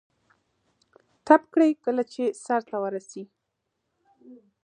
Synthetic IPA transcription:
t̪ap̚kɽəjkəlat͡ʃesaɾt̪awəɾasi

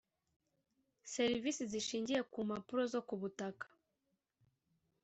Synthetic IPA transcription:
se̞ɾivisiziʃiːɲɟije̞kumapuɾo̞zo̞kuβutakḁ

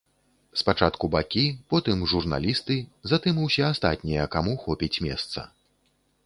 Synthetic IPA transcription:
spat͡ʂat̪kubakʲipɔt̪ɨmʐurna̰lʲist̪ɨzat̪ɨmuwsʲɛast̪a̰t̪ʲnʲijɐkamuxɔpʲit͡sʲmʲɛ̰st̪sɐ̰

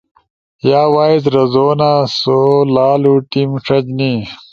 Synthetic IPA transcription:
jaːwaːizɾɐzoːnasolaːluːʈimʂɐd͡ʑni

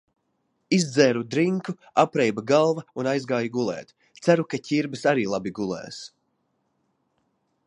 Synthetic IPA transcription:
izd̪zɛːɾud̪ɾiŋku | apɾɛjbaɡalˠvaunajzɡaːjuɡulˠɛ̰ːt̪ | t̪sæɾukacʲiɾbɨsaɾiːlˠabiɡulˠɛ̰ːs

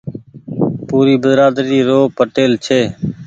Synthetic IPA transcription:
puːɾiːbəzɾaːd̪ɾiːɾoːpəʈeːlt͡ʃʰeː

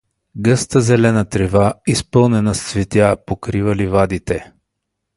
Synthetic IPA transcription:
ɡɤst̪əzɛlɛnət̪ɾɛvaispɤlˠnɛnɐssvɛt̪japokɾivəlivad̪it̪ɛ

